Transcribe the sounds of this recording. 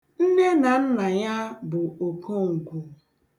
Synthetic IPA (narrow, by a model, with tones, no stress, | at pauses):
n̩˦ne˦na˨n̩˦na˨ja˦bʊ˨o˨ko˦ŋ̩˨kʷu˨